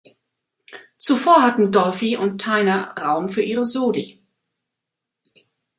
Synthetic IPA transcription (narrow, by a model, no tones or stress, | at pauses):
t͡sufoːɐɦatn̩dɔlfiʔʊnttʰːaɪnɐʁaʊmfyːɐʔiːʁəzoːli